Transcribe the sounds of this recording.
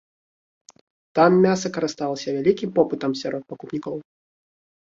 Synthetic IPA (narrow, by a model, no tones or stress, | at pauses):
t̪amːʲasɐkɐɾɨst̪alˠɐsʲɐvʲalʲikʲimpɔpɨt̪ɐmsʲaɾʔɔt̪̚pɐkupnʲikɔw